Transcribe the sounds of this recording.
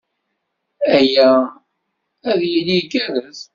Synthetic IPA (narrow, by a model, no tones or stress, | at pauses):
æjːæ | æðjilikːæðæz